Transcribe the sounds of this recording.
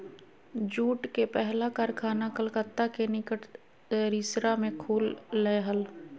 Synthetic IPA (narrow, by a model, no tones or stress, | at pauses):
d͡ʒuːʈkepɛɦlakaɾkʰaːnakəlkət̪ːakenɪkəʈʰ | ɾisɾamẽkʰuːlːɛɦəl